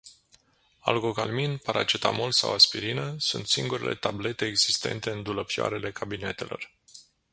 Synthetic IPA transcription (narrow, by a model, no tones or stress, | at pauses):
a̰lɡo̞kalminpaɾat͡ʃet̪amolsawaspiɾinəsṵnt̪siŋɡuɾilʔe̞̰t̪able̞t̪e̞ːɡzist̪e̞̰nt̪e̞ɨnd̪uləpja̰ɾe̞le̞kʰabine̞t̪e̞lo̞̰r